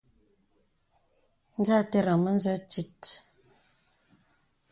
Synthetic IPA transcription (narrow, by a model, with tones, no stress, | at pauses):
n̩˦d͡ʒa˦tɛ˦ɾə˨mə˦n̩˦zə˦t͡ʃi˦t